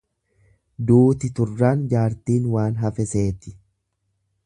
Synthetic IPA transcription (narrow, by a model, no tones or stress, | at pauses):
d̪uːt̪ɪt̪ʊrːaːnd͡ʒaːɾt̪iːnwaːnɦɐfɛse̞ːt̪ɪ̥